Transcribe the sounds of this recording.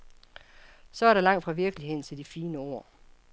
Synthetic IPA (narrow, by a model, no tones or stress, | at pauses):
sɒ̽æɐɾ̥ɑ̈lɑ̈ŋ̰d̥fʁɑ̈ʋiɐɡ̥əlihe̝ð̰ˠnt͡sʰe̝ld̥ifiːnəo̝ɐ̰